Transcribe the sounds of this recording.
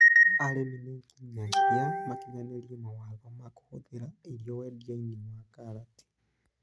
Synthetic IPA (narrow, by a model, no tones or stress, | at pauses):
aleminekiɲaziamakiɲaneljimawaβamaku̥xuðiɾailjowedjainewakalati̥